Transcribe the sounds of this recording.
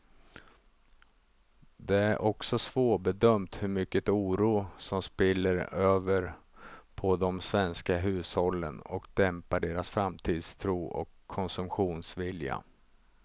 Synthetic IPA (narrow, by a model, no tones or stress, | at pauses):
d̪ɛæɾʔɔksɔsvoːbɛd̪œmt̪hɵɾmʏkːət̪uːɾuːsɔmspɪlːəɾøːvəɾ | pʰɔd̪ɔmsvɛnskaɦʉ̟ːshɔlːə̰nɔkd̪ɛmpaɖeːɾasfɾamt̪ʰiːd̪st̪ʰɾuːɔ̰kʰːɔnsɵmpɧuːnsvɪlja̰